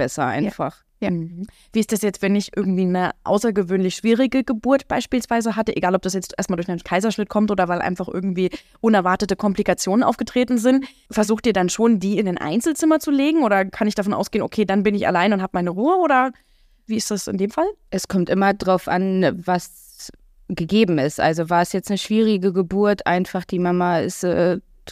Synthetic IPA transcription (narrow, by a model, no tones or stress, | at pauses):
b̥ɛsɐ̰ʔa̰ɪnfa̰χ̩ | viːɪstd̥asjɛt͡stv̥ɛnɪçʔɪ̰ɐɡŋ̩tv̥iːnəʔa̰ʊsɐɡəvøːnlɪçʃv̥iːʁɪɡəɡəbʊɐtb̥aɪʃpiːlsv̥aɪzəɦatəʔeɡaːlɔp̚d̥asjɛt͡stʔeːɐstmaːdʊɐçɪnkʰaɪzɐʃnɪt̚kʰɔmtʔoːdɐvaɪlʔa̰ɪnfaχʔɪ̰ɐɡŋ̩tv̥iː | ʔʊnɛɐvaɐtətəkʰɔmplikat͡sjoːnənʔa̰ʊfɡ̥ətʁ̥eːtn̩zɪnt | fɛɐzuːχtiːɐdanʃoːndiːɪnaɪnʔa̰ɪnt͡sl̩t͡sɪmɐt͡suleːɡŋ̩oːɾɐkʰanɪçd̥afɔnʔa̰ʊsɡ̥eːənʔokʰeːdanbɪnɪça̰laɪnʊnthaːbəmaɪnəʁuːəoːɾɐ | viːɪstd̥asɪ̰ndeːmfalʔɛskʰɔmtʔɪmɐdʁaʊfʔa̰nvas | ɡ̥əɡeːbm̩ɪstʔa̰lzovaːɐɛsjɛt͡stnəʃv̥iːʁ̞ɪɡəɡəbuɐtʰʔa̰ɪnfaχd̥iːmamaɪ̰stʔɛ̰ː